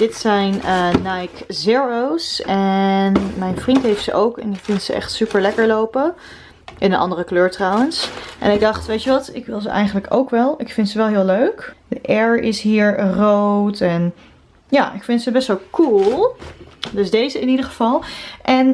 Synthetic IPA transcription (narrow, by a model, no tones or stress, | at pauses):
d̥ɪtsɛjnənajkzɪɹowsɛnmɛjnvrintɦejftsə̰ʔowkɛ̰nɪkfɪntsə̰ʔɛ̰χtsypəɹlɛkəɹlowpə | ʔɪnənʔɑ̰ndərəkløːɹtrɑwənsʔɛ̰nɪɡ̚dɑχtʋejtyʋɑtɪ̰kʋɪlˠzə̰ʔɛ̰jχənləko̰wkʋɛlˠɪkfɪntsəʋɛlˠɦɪːlˠøɥkdəʔɛɹɪsɦiːɹrowtɛn | ja̰ːʔɪkfɪntsəbɛstʋɛlˠkulˠ | dɵsdejzəɪnidəɹχəv̥ɑlˠʔɛn